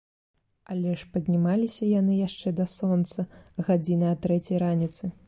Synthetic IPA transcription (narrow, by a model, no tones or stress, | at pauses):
ɐlʲɛʂpɐd̪ʲnʲimalʲisʲɐjanɨjaʂt͡ʂɛd̪asɔnt̪sɐɣad͡zʲinɨɐt̪ɾɛt͡sʲɐjɾanʲit̪sɨ